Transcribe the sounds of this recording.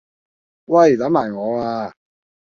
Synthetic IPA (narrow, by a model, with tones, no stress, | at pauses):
wɐ˥˩jlɐ˨˥mːaː˨˩jŋɔː˨˧aː˧